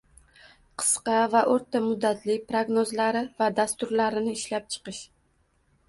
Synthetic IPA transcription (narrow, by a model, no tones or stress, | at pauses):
qʰɨ̥sqɑvaʔoɾt̪amʊd̪ːat̪ʰlɪk̚ʲpɾoɡnozlaɾɪvad̪ast̪ʊɾlaɾɪnɪɪʃlap̚t͡ʃʰɨ̥qɨʃ